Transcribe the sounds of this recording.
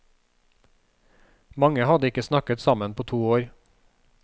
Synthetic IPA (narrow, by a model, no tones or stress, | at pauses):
mɑŋəhɑd̪əɪkəsnɑkət̪sɑmənpʰoːt̪ʰuːoːɾ